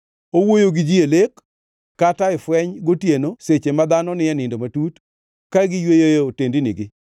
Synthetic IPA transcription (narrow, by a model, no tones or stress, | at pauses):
owojoɡɪd͡ʒielekː | ataɪfwɛɲɡotjenoset͡ʃemad̪anɔnɪɛnɪndomatut | kaɡɪjwejojootendinɪ̰ɡɪ